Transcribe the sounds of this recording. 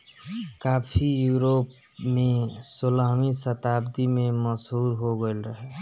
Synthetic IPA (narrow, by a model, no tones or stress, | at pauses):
kaːpʰijuɾop | mẽsolaɦmisət̪aːbd̪imẽməsɦuːɾɦoɡəɪlɾəɦe